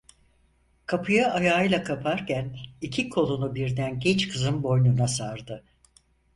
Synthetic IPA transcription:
kʰapʰɯjaʔajaːɯjlˠakʰapʰaɾcʰænicʰikʰo̞lˠunubiɾd̪ænɟɛt͡ʃkʰɯzɯnbo̞jnunasaɾd̪ɯ

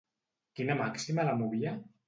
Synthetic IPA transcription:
kinamaksimalamuβia

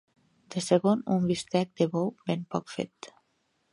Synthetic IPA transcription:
d̪̥əseɣonumbist̪ɛk̚d̪əβowbempɔkfḛt̪

